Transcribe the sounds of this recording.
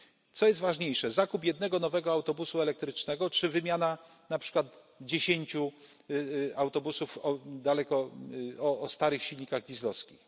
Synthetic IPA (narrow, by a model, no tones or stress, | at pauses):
t̪sɔjɛst̪vaʐɲejʂɛzakupjɛd̪̚nɛɡɔnɔvɛɡɔawt̪ɔbusuɛlɛk̚t̪ɾɘt͡ʂnɛɡɔtʂɘvɘmʲjana | napʂɘ̥kwad̪ | d͡ʑeɕeɲt͡ɕu | awt̪ɔbusufɔd̪alɛkɔɔːst̪aɾɘxɕilɲikaɣdʲizlɔskʲix